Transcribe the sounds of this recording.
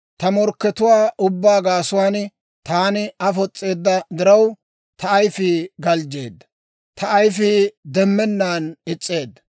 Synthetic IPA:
t̪ɐmɔɾkːɛt̪ʊwaːʔʊbːaːɡaːsʊwaːn | t̪aːnɪɐfɔt͡sʼːe̞ːd̪ːɐd̪ɪɾɐw | t̪ʰɐːjfiːɡɐld͡ʒeːd̪ːɐ̥ | t̪ʰɐːjfiːd̪ɛmːɛnːaːnɪt͡sʼːe̞ːd̪ːɐ̥

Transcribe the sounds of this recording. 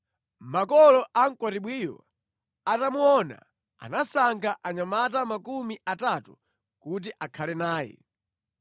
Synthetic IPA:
makɔlɔʔaŋ̩kwaɾiɓwiːjɔ̰ | atamuɔna̰ | a̰nasaŋɡaʔaɲamat̬amakumiʔatatu | kut̬iʔakʰalɛnaːjɛ̰

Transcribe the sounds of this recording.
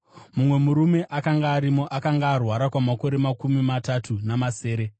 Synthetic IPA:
mumwe̞muɾume̞ʔakaŋɡaːɾimo̞ʔakaŋɡaːrwaɾakwamako̞ɾemakumimatatʰunamase̞ːɾe̞

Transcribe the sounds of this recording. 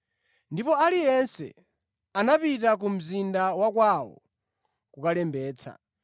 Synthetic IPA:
ndipɔalijɛnsɛ̰ | anapitak̬um̩zindawak̬wawɔ̰ | kukalɛmbɛːt͡sʰa̰

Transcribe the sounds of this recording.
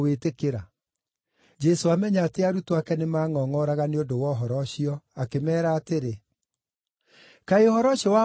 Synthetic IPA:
wetekeɾa | d͡ʒɛsoamɛɲaːteaɾutoakɛnemaːŋɔːŋɔɾaɣaneodowɔɦɔɾɔɕiɔakemɛːɾaːteɾe | kaeohɔɾɔɕɔwa

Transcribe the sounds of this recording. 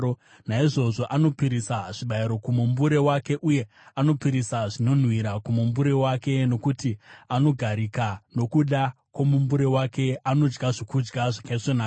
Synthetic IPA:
o | naiʐo̞ʐo̞ʔano̞piɾisaʐ̥iɓaiɾo̞kumumbuɾe̞wake̞ʔuje̞ | ano̞piɾisaʐino̞n̤wiɾakumumbuɾe̞wake̞no̞kutiano̞ɡʱaɾikano̞kuɗa | kwomumbuɾe̞wake̞ano̞d͡ʒɡaʐokud͡ʒɡaʐakaisonaːka

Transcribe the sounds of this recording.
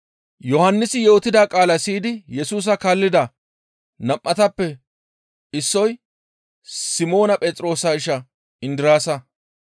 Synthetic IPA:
jɔhɐnːɪsɪjo̞ːt̪ːɪd̪aːkʼaːlɐsiːd̪ɪjɛsuːs̬ɐkaːlːɪd̪ɐ | nɐmʔɐt̪ɐpːɛ | ɪsːɔj | sɪmo̞ːnɐpʼɛːt͡s̪ʼɾo̞ːsaːɪʃɐ | ɪnd̪ɪɾaːsɐ

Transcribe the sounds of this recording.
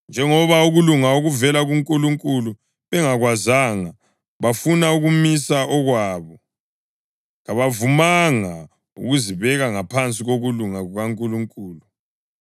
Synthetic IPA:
nd͡ʒʱɛŋɔβauɣuluŋaoɣuvɛlaɣuŋkʼuluŋkʼulu | βɛŋaɣwazaːŋa | βafunauɣumisaʔɔɣwaːβɔ | ɣaβavumaŋa | ṵɣuziβɛɣaŋapʰant͡sʼiɣoɣuluŋaɣuɣaŋkʼuluŋkʼuːlu

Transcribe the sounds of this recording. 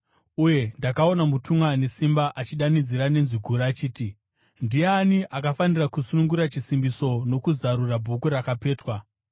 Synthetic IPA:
uje̞ndakao̞namutʰumwane̞simbaʔat͡ʃiɗanid͡ziɾane̞nziɡʱuɾaːt͡ʃiːti | ndijeaniʔakafanirakusunuŋɡuɾat͡ʃisimbiso̞no̞kuzaɾurabʱukurakape̞ːtwa

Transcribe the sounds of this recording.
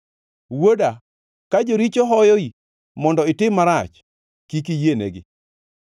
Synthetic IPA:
woda | kad͡ʒoɾit͡ʃoɦɔjoi | mɔndɔɪtɪmːaɾat͡ʃ | kikijenḛɡɪ̰

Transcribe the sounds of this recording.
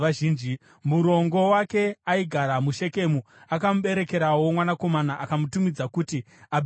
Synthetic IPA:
aʒiːnd͡ʒi | muɾo̞ŋɡo̞wake̞aiɡʱaɾamuʃe̞ke̞mu | akamuɓe̞ɾe̞ke̞ɾawo̞mwanako̞manaʔakamutumid͡zakuti | aɓ

